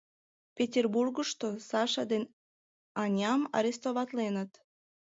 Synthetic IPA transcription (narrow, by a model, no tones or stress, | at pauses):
pʲetʲerburɣəʃt̪osɑʃɑd̪en | ɑnʲɑmɑ̰ɾʲest̪oβɑt̪lenət̪